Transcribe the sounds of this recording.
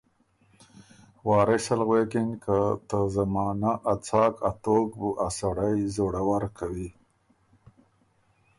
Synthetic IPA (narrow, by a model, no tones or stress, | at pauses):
wɑːɾɪsalɣwekɪnkʰat̪əzamɑːnaʔat͡sɑkʰat̪okbuʔasaɽajzoɽawaɾkʰawi